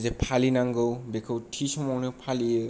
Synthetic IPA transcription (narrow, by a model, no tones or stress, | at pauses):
zepʰalinaŋɡɯwbekʰɯwtʰisɔmɔwnɯpʰaliɯ